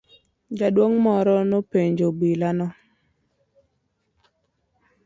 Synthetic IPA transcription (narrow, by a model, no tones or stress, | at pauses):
d͡ʒadwoŋmɔɾɔnɔpeɲd͡ʒobilanɔ